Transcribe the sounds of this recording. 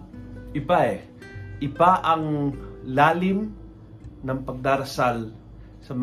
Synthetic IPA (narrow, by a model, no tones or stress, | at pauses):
ʔɪbaɛ | ʔɪbaʔɐŋlaːlɪm | nɐŋpɐɡ̚d̪aːɾɐsal | sɐm